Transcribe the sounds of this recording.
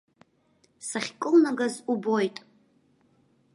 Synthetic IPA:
saχʲkʼɨlnaɡazubojtʼ

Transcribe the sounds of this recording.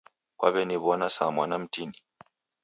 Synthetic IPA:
kwaβɛniβɔnasamwanam̩tini

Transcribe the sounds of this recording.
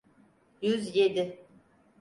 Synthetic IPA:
jyzjed̪ɪ

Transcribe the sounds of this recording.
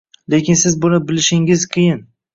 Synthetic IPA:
lekʲɪnsɪzbʊnabɪlɪʃɪŋɪzkʲʰɪjɪn

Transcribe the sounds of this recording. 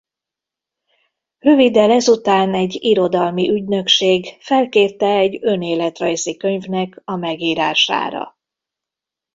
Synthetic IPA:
rø̞vid̪ɛlɛzut̪aːnɛɟːiɾo̞d̪ɒlmiʔyɟnø̞kʃeːɡfɛlkeːrt̪ɛɛɟːø̞neːlɛt̪rɒjzikø̞ɲvnɛkɒmɛɡiːɾaːʃa̰ːɾɒ̰

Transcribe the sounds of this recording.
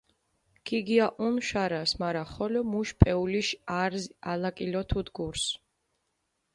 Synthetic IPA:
kʰiɡiaʔunʃaɾasmaɾaχɔlɔmuʃpʼɛuliʃaɾzalakʼilɔt̪ʰud̪ɡuɾs

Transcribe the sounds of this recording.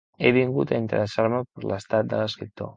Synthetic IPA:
eβiŋɡut̪aint̪əɾəsaɾməpəɾləst̪at̪̚d̪ələskɾip̚t̪o̰

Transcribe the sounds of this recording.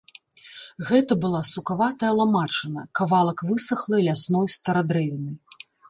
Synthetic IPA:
ɣɛt̪ɐbɨlˠasukavat̪ɐjɐlˠamat͡ʂɨnɐkavalˠɐkvɨsɐxlˠɨlʲasnɔjst̪ɐɾad̪ɾɛvʲinɨ

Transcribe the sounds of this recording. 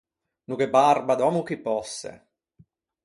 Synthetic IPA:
nukebarbad̪ɔːmukipːɔsːḛ

